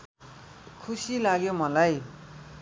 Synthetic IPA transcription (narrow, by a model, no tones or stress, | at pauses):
kʰusilaɡjomʌlaj